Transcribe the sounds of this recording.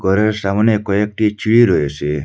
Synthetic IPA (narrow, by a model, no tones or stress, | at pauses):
ɡʱɔɾeɾsamɔnjekɔjek̚ʈit͡ʃʰiɭiɾɔjɔse